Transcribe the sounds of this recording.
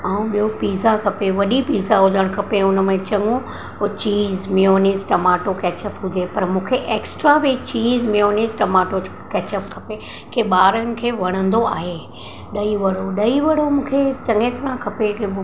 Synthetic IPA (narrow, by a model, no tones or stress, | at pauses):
aːũɓijopiːzakʰɐpeʋɐɗipiːzaɦʊzəɽ̃kʰɐpeʊnmẽt͡ɕɐ̃ŋɡũ | t͡ɕiːzmijoːnɪzʈɐmaːʈokɛːt͡ɕəpɦʊd͡ʑepɐɾmũːkʰeʔeːksʈɾaʋit͡ɕiːzmijoːniːzʈɐmaːʈo | kɛːt͡ɕəpkʰɐpe | kʰeɓaːɾənɪ̆kʰeːʋɐɽ̃ə̃nd̪oa̰ːɦe | ɗɐiʋɐɽ̤oɗɐiʋɐɽ̤omũːkʰet͡ɕɐ̃ŋɡet̪ʰɐɾãkʰɐpek